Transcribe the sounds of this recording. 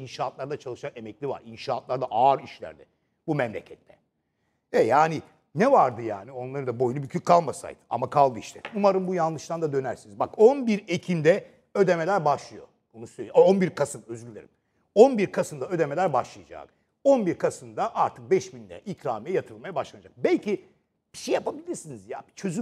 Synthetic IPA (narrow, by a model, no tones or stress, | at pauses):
inʃaːt̪lˠaɾd̪at͡ʃʰalˠɯʃane̞mɛclʲiva̰ɾinʃaːt̪lˠaɾd̪aʔaːɾiʃlʲæ̰ɾd̪ɛ | bumɛmlʲḛcʰɛt̪ʰːɛ | ɛjaːni | nɛvaɾd̪ɯja̰ːnio̞nlˠaɾɯd̪abo̞junubicʰykʰːalˠmasa̰jd̪ɯa̰makʰalˠd̪ɯiʃt̪ʰɛ̰umaɾɯmbujanlˠɯʃt̪and̪ad̪ø̞næɾsinizbakonbiɾecʰind̪ɛ | ø̞d̪emelʲæɾbaʃlˠɯjo̞̰ | bonusølʲijonbiɾkʰasɯmø̞zylːʲeɾḭm | onbiɾkʰasɯnd̪aø̞d̪e̞melʲæɾbaʃlˠɯjad͡ʒa̰ːk | o̞nbiɾkʰasɯnd̪aʔaɾt̪ʰɯk̚bɛʃbind̪ɛ̰ʔicʰɾaːmijajat̪ʰɯɾɯlˠmajabaʃlˠanad͡ʒak̚bɛlʲcʰi | b̥i̥ʃejapʰabilʲiɾsinizja̰ːbit͡ʃʰø̞zy